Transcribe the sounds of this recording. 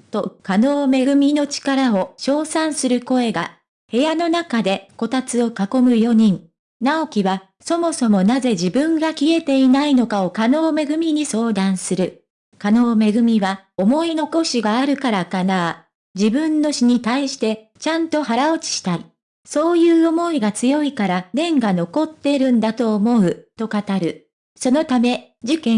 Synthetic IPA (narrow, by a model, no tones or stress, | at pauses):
t̪o̞kano̞ːme̞ɡɯ̟mʲino̞t͡ɕi̥kaɾao̞ɕo̞ːsãɰ̃sɨɾɯ̟ko̞e̞ɡa | he̞jano̞nakad̪e̞ko̞t̪at͡sɨo̞kako̞mɯ̟jo̞ɲ̟ĩɴ | nao̞kʲiβa | so̞mo̞so̞mo̞naze̞d͡ʑibɯ̟̃ŋɡakʲie̞t̪e̞inaino̞kao̞kano̞ːme̞ɡɯ̟mʲiɲ̟iso̞ːd̪ãɰ̃sɨɾɯ̟ | kano̞ːme̞ɡɯ̟mʲiβa | o̞mo̞ino̞ko̞ɕiɡaːɾɯ̟kaɾakanaː | d͡ʑibɯ̃nːo̞ɕiɲ̟it̪aiɕi̥t̪e̞ | t͡ɕãnt̪o̞haɾao̞t͡ɕi̥ɕi̥t̪ai | so̞ːjɯːo̞mo̞iɡat͡sɨjo̞ikaɾanẽ̞ŋɡano̞ko̞t̪ːe̞ɾɯ̟̃nd̪at̪o̞ːmo̞ɯ̟t̪o̞kat̪aɾɯ̟ | so̞no̞t̪ame̞ | d͡ʑikẽ̞